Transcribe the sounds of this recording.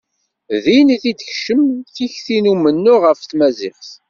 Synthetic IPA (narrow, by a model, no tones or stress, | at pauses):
ðiniθid̪əçʃəmθiçθinumənːʊʁəfθmæzɪχθ